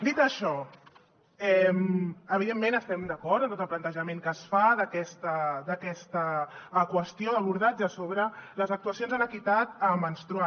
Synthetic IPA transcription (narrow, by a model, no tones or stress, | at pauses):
d̪it̪əʃɔ | ɛməβiðemːenəst̪ɛmd̪əkɔɾt̪ənt̪ot̪əlˠplənt̪əʒəmeŋkəsfaðəkɛst̪əd̪əkɛst̪əːkwəst̪ioəβ̞uɾð̞ad͡ʒəsoβɾələzək̚t̪uəsionzðələkit̪at̪əmənst̪ɾua